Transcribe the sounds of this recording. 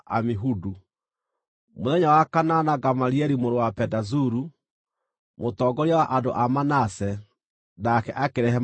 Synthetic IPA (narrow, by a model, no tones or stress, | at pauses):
a̰miɦudu | moðɛɲawakananaɡamaɾiɛɾimoɾowapɛdazuɾu | motɔːɡɔɾiawaʔado̰ʔamanasɛ | nakɛʔakeɾɛɦɛ